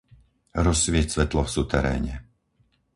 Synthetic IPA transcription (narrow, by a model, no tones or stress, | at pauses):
ɾɔsʋɪɛcsʋɛt̪lɔfsut̪ɛɾɛ̰ːɲɛ